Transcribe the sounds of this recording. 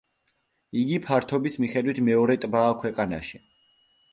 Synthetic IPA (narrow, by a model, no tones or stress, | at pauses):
iɡipʰaɾt̪ʰɔbismiχɛd̪wit̪ʰmɛɔɾɛt̪ʼbaːkʰwɛqʼana̰ʃi